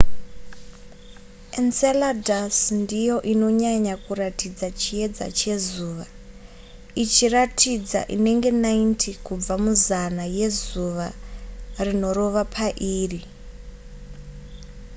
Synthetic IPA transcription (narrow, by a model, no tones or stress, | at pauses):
enseladasndijo̞ʔino̞ɲaɲakuratid͡zat͡ʃie̞d͡za̰t͡ʃe̞zuːʋa | it͡ʃiratʰid͡za̰ʔḭne̞ŋɡe̞naintʰikub͡vamuzanaje̞zuʋa | rino̞ro̞ʋapʰaʔiːri